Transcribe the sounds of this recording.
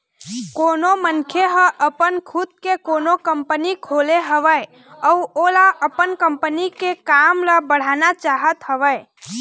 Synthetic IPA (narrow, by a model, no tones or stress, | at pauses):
konomənkʰjeɦəʔəpənkʰud̪̚kekonokəmpənikʰoleɦəʋəj | əuolaʔəpənkəmpənikekamləbəɽ̤anat͡ʃaɦət̪ɦəʋəj